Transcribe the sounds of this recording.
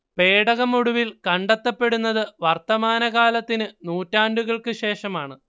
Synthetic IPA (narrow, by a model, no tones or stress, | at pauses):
pe̞ːɽɐɣɐmuɽuʋilkɐɳɖɐt̪ːɐpːe̞ɽunːɐðɨʋɐrt̪ːɐmaːnɐɣaːlɐt̪ːinɨnuːtːaːnɖuɣɐɭkɨɕe̞ːʂɐmaːɳɨ